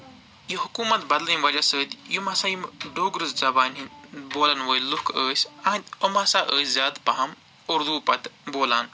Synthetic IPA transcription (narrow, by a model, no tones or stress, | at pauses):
jiɦukuːmɐt̪bɐd̪lɐimʋɐlʲɐsəːt̪jumɐsajimɖoːɡɾɨzzɐbaːnɦinboːlɐnʋəːjlukʰəːsʲɐd̪omɐsaːʔəːszʲjaːd̪pɐɦɐm | uɾd̪uːpɐt̪boːlaːn